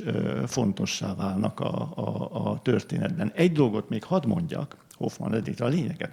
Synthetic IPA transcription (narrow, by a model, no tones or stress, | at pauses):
øfo̞nt̪o̞ʃːaːvaːlnɒkɒː | t̪ørt̪eːnɛd̪̚bɛnɛɟd̪o̞lɡo̞t̪meːkhɒd̪mo̞ɲɟɒk | ho̞fmɒ̰nɛd̪ːiktɒleːɲɛɡɛt̪